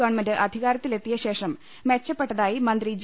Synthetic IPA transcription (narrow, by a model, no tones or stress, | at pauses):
ɐʋɐɳmendɨʔɐd̪ʱiɣaːɾɐt̪ːile̞t̪ːijɐɕe̞ːʂɐm | me̞t͡ɕːɐpːe̞ʈːɐðaːjimɐnd̪rid͡ʑ